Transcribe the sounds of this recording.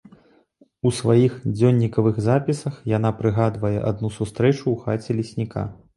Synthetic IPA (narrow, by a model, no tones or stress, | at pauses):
usvajixd͡zʲɔnʲːikɐvɨɣzapʲisɐxjanapɾɨɣad̪vɐjɛ̰ʔa̰d̪̚nusust̪ɾɛt͡ʂuːxat͡sʲɛlʲisʲnʲika̰